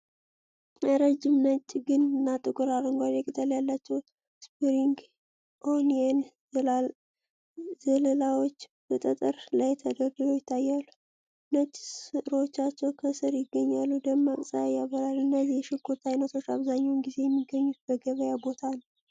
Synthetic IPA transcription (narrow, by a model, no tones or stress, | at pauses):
əɾəd͡ʒːɪmnət͡ʃʼːɡɨnɨnːat̪ʼɨkʼɨɾaɾɨŋɡʷad̪ekʼɨt̪ʼəljalːat͡ʃːɛw | spiɾiŋɡ | ʔonen | zələlawo̞t͡ʃːb̥ət̪ʼət̪ʼɨɾlajt̪ʰəɡəɡɨlo̞jɪt̪ʰːajːalːu | nət͡ʃʼːsɨɾot͡ʃːat͡ʃːɛwkʰəsɨɾjɪɡːəɲːalːud̪əmːakʼsʼajaβəɾalɨnːəzijɛʃɪkʰot̪ːajnət̪ʰo̞t͡ʃːaβzaɲːawnɡize̞jɛmːiɡːəɲːut̪bəɡəβəjabo̞t̪ʰanə